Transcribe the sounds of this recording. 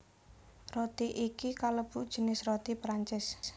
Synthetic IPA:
rot̪iʔikikaləb̥uʔd̥ʒ̥ə̤nɪsrot̪ipɾaɲt͡ʃɪs

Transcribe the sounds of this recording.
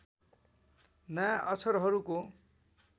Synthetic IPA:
nʌjaʔʌt͡sʰʌɾɦʌɾuko

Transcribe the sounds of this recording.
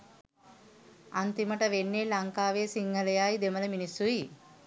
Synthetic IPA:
ɐnt̪imɐʈɐʋenːeːlɐŋkaːʋeːsiŋɡʱɐlɐjaːjid̪emɐlɐminisui

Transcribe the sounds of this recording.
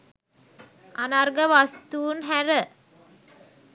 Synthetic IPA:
anarɡəʋast̪uːnɦæɾə

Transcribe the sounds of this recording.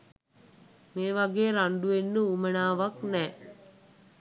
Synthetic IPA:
meːʋaɡeːɾaɳɖuʋenːəumənaːʋaknɛː

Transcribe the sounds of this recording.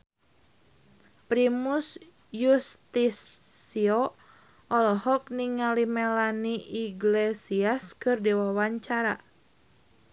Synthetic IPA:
pɾimus | just̪isiɔ | ʔɔlɔhɔk̚niŋalimɛlaniʔiɡlesiaskɨrdiwawaɲt͡ʃaɾa̰

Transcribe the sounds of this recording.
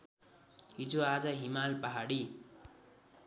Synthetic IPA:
ɦid͡zuad͡zʌɦimalpʌɦaɽi

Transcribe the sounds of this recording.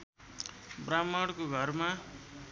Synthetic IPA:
bramaɽkoɡʱʌrma

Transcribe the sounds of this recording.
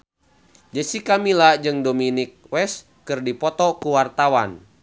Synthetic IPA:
d͡ʒəsikamilad͡ʒɨŋdominik̚wɛs | kɨrdipɔt̪ɔkuwart̪awan

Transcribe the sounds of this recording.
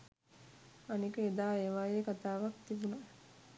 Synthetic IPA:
anikəed̪aːeːʋaːjeːkat̪aːʋakt̪ibuna

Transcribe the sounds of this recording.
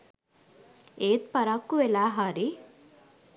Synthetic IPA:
eːt̪pɐɾakːuʋelaːɦaɾi

